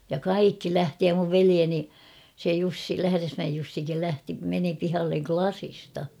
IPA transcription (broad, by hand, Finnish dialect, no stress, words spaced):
jɑ kɑikːi læhti jɑ muʋ ʋelieni se jusːi læhæresmæej jusːikil læhti meni pihɑlːeŋ klɑsistɑ